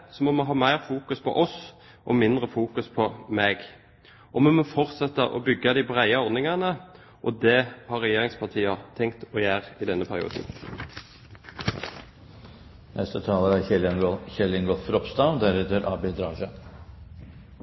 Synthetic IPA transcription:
sɔmɔmɛɦɑːmæɪʁfuːkʉspʰɔ̰ʔɔs | ʔɔmɪnd̪ʁəfuːkʉspʰɔmeːɡ | ʔɔmɛmɔfɔʁt̪sɛt̪ːəʔɔ̰bʏɡːɑd̪ɪbʁæɪəɔɾdnɪŋɑnə | ʔɔd̪ɛhɑɾːɛjeːɾɪŋspʰɑʁt̪ʰiːɑt̪ʰɛŋkt̪ɔjæːʁɪd̪ɛnːəpʰæɾɪṵːd̪n̩ | nʔɛst̪ət̪ʰɑːləɾæɛçɛlɪŋɡɔfɾɔpst̪ɑʊd̪æɾɛt̪əɾʔɑːbɪd̪ɾɑːʃə

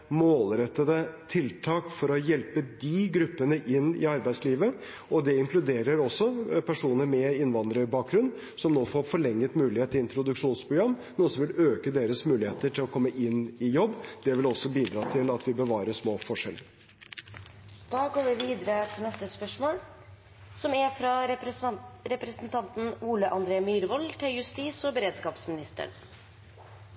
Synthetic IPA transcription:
moːlɾɛt̪ːəd̪ət̪ʰɪlt̪ʰɑːkfɔɾɔjɛlpəd̪ɪɡɾʉpːənəʔɪnːɪ̰ɑɾbæɪsliːʋə | ɔd̪ɛɪŋkʰlʉd̪eːɾəɾɔsːɔpʰæʂuːnəɾmɛɪnʋɑnd̪əɾəbɑːk̚ɡɾʉnː | sɔmnoːfoːɾfɔɭɛŋːət̪mʉːlɪheːt̪ːɪɪnt̪ɾʊd̪ʉkʂuːnspʰɾʊɡɾɑmː | nɔsɔmʋɪløːkəd̪eːɾəsmʉːlɪheːt̪əʈʰɪlɔkʰɔmːəʔɪnːɪjɔbːd̪ɛʋɪlɔsɔbiːd̪ɾɑːt̪ʰɪlɑt̪ʰʋɪbəʋɑːɾəʂmoːfɔʂɛləɾ | d̪̥ɑːɡoːɾʋɪʋiːd̪əɾət̪ʰɪlnɛst̪əspœʂmoːl | sɔmæfɾɑ | ɾɛpɾəsn̩t̪ʰɑnt̪n̩uːləʔɑnd̪ɾeːmyːɾʋɔlt̪ʰɪljʉst̪iːsɔbəɾeːd̪skɑːpsmɪnɪst̪ə̰ɾ

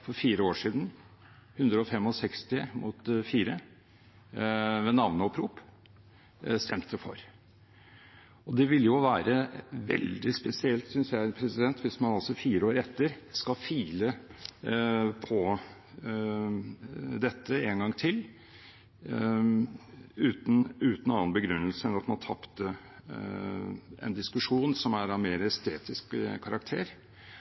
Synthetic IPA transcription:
fɔɾfiːɾəoːʂiːd̪n̩ | hʉnd̪ɾəɔfɛmːɔsɛkst̪ɪmʊt̪fiːɾə | ʋɛnɑʋnəɔpʰɾuːp | st̪ʰɛmt̪ʰːəfɔ̰ɾ | ɔd̪ɛʋɪlːjʊʋæːɾəʋɛ̰ld̪ɪspɛsɪɛlt̪sʏnsjæɪpʰɾɛsɪd̪ɛnt̪ʰʋɪsmɑnɑlsɔfiːɾəoːɾɛt̪ːəɾskɑfiːlə | pʰɔ | d̪ɛt̪ːəeːŋɡɑŋːt̪ʰɪl | ʉːt̪n̩ʉːt̪n̩ɑːənbəɡɾʉnːəlsəɛnɑt̪mɑnt̪ʰɑpt̪ə | ʔɛ̰nd̪ɪskʉʂuːnsɔmæɾɑʋmeːɾəɛst̪ʰeːt̪ɪskkʰɑɾɑkt̪ʰḛːɾ

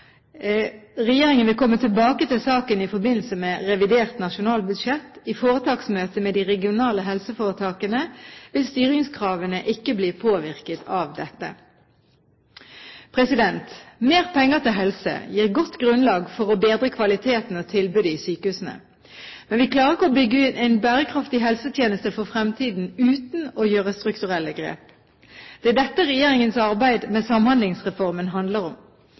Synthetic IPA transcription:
ʁɛjeːʁɪŋənʋɪlkʰɔmːət̪ʰɪlbɑːkət̪ɪlsɑːkənɪfɔɾbɪnl̩səmɛʁɛʋɪd̪eːʁt̪nɑʃʊnɑːlbʉd̪ʃɛt̪ːifoːʁət̪ʰɑːksmøːt̪əmɛd̪iʁɛɡɪʊnɑːləɦɛlsəfoːʁət̪ʰɑːkənəʋɪlst̪yːʁɪŋskʰʁɑːʋənəʔɪkːəbliːpʰoːʋɪʁkət̪ʰɑːʋd̪ɛt̪ːə̰ | pʰʁɛsɪd̪ɛnt̪meːʁpʰɛŋːət̪ʰɪlɦɛlsə̰jiːʁɡɔt̪ːɡʁʉnlɑːɡfɔʁɔbeːd̪ʁəkʰʋɑlɪt̪ʰeːt̪n̩ɔt̪ʰɪlbʉːd̪əɪsyːkəhʉːsn̩ə̰ | mɛnʋɪkʰlɑːʁəʁɪkːəɔbʏɡːəʉːt̪æɪnbæːʁəkʰʁɑft̪ɪɦɛlsət̪ʰjeːnəst̪əfɔfʁɛmt̪ʰiːd̪n̩ʉːt̪n̩ɔjøːʁəst̪ʁʉkt̪ʉʁɛlːəɡʁḛːp | d̪̥ɛæd̪ɛt̪ːəʁɛjeːʁɪŋənsɑʁbæɪd̪mɛsɑmhɑnd̪lɪŋsʁɛfɔʁmənɦɑnd̪ləʁɔm

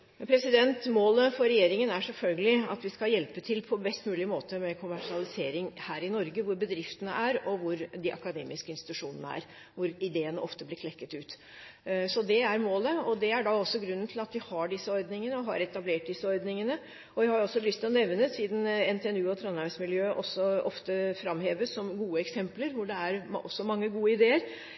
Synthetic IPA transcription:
pʰɾɛsɪd̪ɛnt̪moːləfɔɾɛjeːɾɪŋənæʂɛlfœlɡəlɪɑ̰t̪ʋɪskɑljɛlpət̪ʰɪlpʰɔbɛst̪mʉːlɪmoːt̪əmɛkʰʊmæʂɪɑlɪseːɾɪŋhæːɾɪnɔɾɡəʋʊɾbəd̪ɾɪft̪ənəʔæɾɔʋʊɾd̪ɪʔɑ̰kɑd̪ḛːmɪskəɪnst̪ɪt̪ʉʂuːnənəæ̰ɾ | ʋʊɾɪd̪eːənəʔɔft̪əblɪkʰlɛkːət̪ʉːt̪ | sɔd̪ɛæɾmoːləɔd̪ɛæɖɑɔsːɔɡɾʉnːən̩t̪ʰɪlɑt̪ʋɪhɑɖɪsːəɔɾd̪nɪŋənəɔɦɑ̰ɾɛt̪ɑbleːʈ̚d̪ɪsːəɔɾd̪nɪŋənə | ɔʋɪhɑɾjʊɔsːɔlʏst̪ʰɪlɔnɛʋnəsiːd̪n̩ɛnt̪ʰɛɛnʉːɔt̪ʰɾonɑɾʋsmɪljøːʔɔsːɔʔɔft̪əfɾɑmheːʋəssɔmɡuːəɛksɛmpləɾʋʊɖɛæɾɔsːɔmɑŋːəɡuːəɪd̪eːəɾ

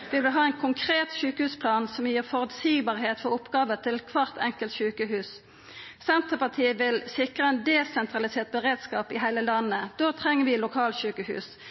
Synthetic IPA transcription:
ʋɪlʋɪɦɑːɛɪnkʰʊŋkʰʁeːt̪ʃʉːkəʉːspʰlɑːnsɔmjiːʁfɔʁʉlsiːɡbɑːʁɦeːt̪fɔʁʊpɡɑːʋət̪ʰɪlkʰʋɑʁt̪ʰɛŋkəlt̪ʃʉːkəɦʉːs | sɛnt̪əpɑt̪ʰiːəʋɪlsɪkʁəɛnd̪ɛsɛnt̪ʁɑlɪseːʁt̪̚bəʁeːd̪skɑːpɪɦæɪləlɑnːəd̪̥oːt̪ʰʁɛŋːəʋɪlʊkʰɑːlt̪ʃʉːkəhʉ̰ːs

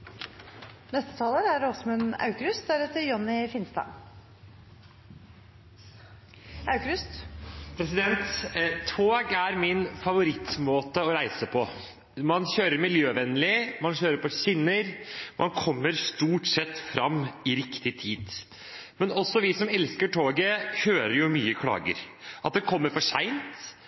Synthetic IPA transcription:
nɛst̪ə̥t̪ʰɑːləɾæɖɔsɔmɛnɑ̰ʉkəɾʉst̪̚d̪æɾɛt̪ːəɾjɔnːɪfɪnst̪ɑ̰ː | ɑʉkəɾʉst̪pʰɾɛsɪd̪ɛnt̪ʰ | oːɡæɾmɪnfɑʋʊɾɪt̪moːt̪əɔɾæɪsəpʰɔ | mɑnɕøːɾəɾmɪljøːʋɛnlɪmɑnɕøːɾəɾpɔɕɪnːəɾmʔɑnkʰɔmːəɾst̪uːʈsɛt̪ːfɾɑmɪɾɪkt̪ɪt̪ʰiːd̪ | mɛnɔsːɔʋɪsɔmɛlskəʈʰoːɡəhøːɾəɾjʊmyːəkʰlɑ̰ːɡə̰ɾʔɑt̪̚d̪ɛkʰɔmːəɾfɔʂæɪnt̪

